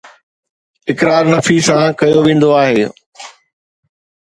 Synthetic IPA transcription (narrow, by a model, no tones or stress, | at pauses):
ɪkɾaːɾnɐfisãkɐjoʋẽːn̆d̪oaːɦeː